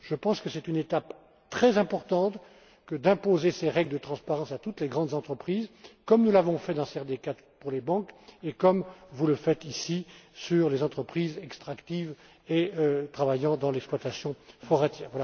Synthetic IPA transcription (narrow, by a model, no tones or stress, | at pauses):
ʒ̥əpɑ̃skəsɛt̪ynet̪ap | t̪χɛzɛ̃pɔʁt̪ɑ̃t̪ | kəd̪ɛ̃pozeseʁɛɡləd̪ət̪χɑ̃spaʁɑ̃sat̪ut̪leɡʁɑ̃d̪zɑ̃t̪χəpχizkɔmnulavɔ̃fɛd̪ɑ̃sɛʁd̪eka | puʁlebɑ̃kekɔmvuləfɛt̪isisyʁlezɑ̃t̪χəpχizɛkst̪χakt̪iv | eøt̪χavajɑ̃d̪ɑ̃lɛksplwat̪asjɔ̃fɔʁɛt̪jɛːʁvwala